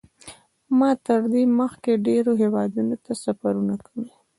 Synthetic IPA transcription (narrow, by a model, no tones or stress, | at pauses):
mɑt̪əɾd̪eməxkeɖeɾoɦewɑd̪unot̪asafaɾunakawi